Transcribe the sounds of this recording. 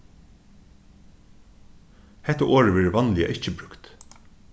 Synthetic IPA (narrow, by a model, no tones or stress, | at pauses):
hɛt̪əʔoːɹəʋɛːɹəʋɑnlɪa̰ʔɪcəbɾʉkt̪